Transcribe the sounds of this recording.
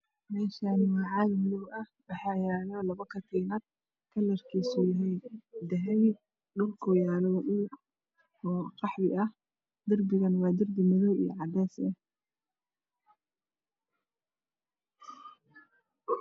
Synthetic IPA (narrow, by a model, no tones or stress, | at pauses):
mɛːʃanwɑːʕɑːlmlʊwɐhwɑħɑjaːnɔlɐβɐkʰɐt̪ʰiːnɐd̪̚ | kʰɐlːɐrkʰiːsujɐɦɛjd̪ɐɦɛj | nʊlkʰɔːjaːnɔʔɪn | ɔːqɑħwɪʔɐh | d̪ɐrbɪɣɐnwɑːd̪ɐrbɪmɐðɔwḭj̰ʕɑd̪ɛːsɛ